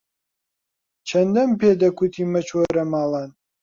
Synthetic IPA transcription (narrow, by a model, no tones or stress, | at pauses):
t͡ʃʰɐnd̪ɐmpʰeːd̪ɐkʷʰut̪ʰiːmɐt͡ʃʰwɐɾɐmaːlan